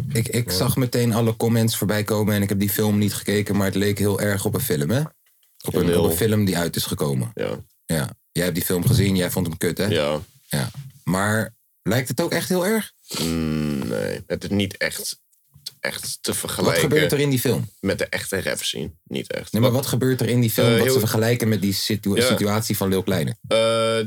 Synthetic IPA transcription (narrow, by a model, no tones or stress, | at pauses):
ɪkɪksɑχmətejnɑləkɔmɛntsfoːɹbɛjkowmənɛnɪkɦɛp̚difɪlˠmnitχə̥kejkənmaːɹətlejkɦɪːlˠʔɛɹχɔpənfɪləmɛ | ʔɔpənɔpənfɪləmdiœɥtɪsχəkowməja̰ | ja̰ː | jɛjɦɛp̚difɪlˠmχəzinjɛjfɔntəmkøtɛj | ja̰ːmaːɹ | lɛjk̚tətowkɛχtɦɪːlˠɛɹχ | nḛjətɪsnitɛ̰χt | ʔɛ̰χttəvəɹχəlʋɛjχəbøɹtəɾɪndifɪlˠmmɛt̚dəʔɛχtərɛ̰psḭnnḭtɛ̰χtnemaɹʋɑtχəbøːɹtəɹɪndifɪlˠmsəfəɹχəlɛjkənmɛt̚dissityaːtsifɑnlɪlˠklɛjnə̰ə